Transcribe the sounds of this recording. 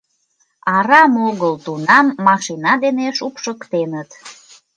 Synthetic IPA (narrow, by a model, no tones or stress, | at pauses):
ɑɾɑmoɣəlt̪unɑmːɑʃinɑd̪eneʃupʃəkt̪enət̪